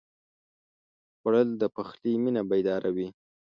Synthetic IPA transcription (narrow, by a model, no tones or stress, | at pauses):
xwaɽəld̪əpaxliminabajd̪ɑɾawi